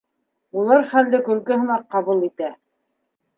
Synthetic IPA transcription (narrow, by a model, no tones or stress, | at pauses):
ulˠɑɾχæld̪ɘkɵ̆lkɘ̆ɦɤ̆nɑqːɑβulˠit̪æ